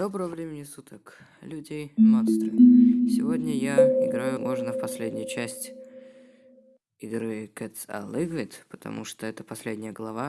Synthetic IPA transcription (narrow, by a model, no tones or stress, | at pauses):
d̪̥o̞bɾəvəvɾʲemʲɪnʲɪsut̪ək | lʲʉdʲejmonst̪ɾəsʲɪvo̞dʲnʲəjaɪɡɾajʊmo̞ʐnəfpɐsʲlʲedʲnʲɪjʊt͡ɕæsʲtʲ | ɪɡɾɨkɛt̪sa̰lˠɨɡvʲɪt̪pə̥t̪ɐ̰mṵʂt̪oɛt̪ə̥pɐsʲlʲedʲnʲɪjəɡlˠɐva